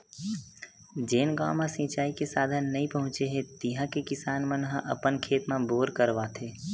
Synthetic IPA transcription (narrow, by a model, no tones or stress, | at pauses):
d͡ʒeːnɡaːmãsĩːt͡ʃaːikesaːd̪ʱənːɐĩpəɦʊ̃t͡ʃeɦẽt̪iɦãkekɪsaːnmənɦə̃ʔə̰pənkʰeːt̪mãboːɾkəɾʋaːt̪ʰeː